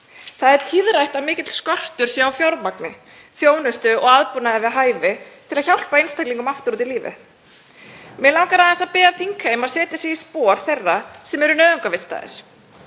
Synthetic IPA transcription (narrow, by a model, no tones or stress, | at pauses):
θaðɛɾ̥t̪ʰiðrajht̪amɪːcɪt̪l̥skɔr̥t̪ʏɾ̥sjɛawfjawɾmaknɪ | fjoːwnʏst̪ʏɔɣaðpunaðɪvɪðɦaːjvɪt̪ʰɪlaðçawl̥paejnst̪ajkliŋkʏmaft̪ʏɾuːt̪̬iliːvɪ̰ | mɛlaːwkaɾaðɛsapɪːɣaðfiŋkhejmaðsɛːt̪ɪsiispɔːɾ̥θejrːasɛmɛɾʏnœːðʏŋkavɪ̥st̪a̰ːðɪ̰ɾ̥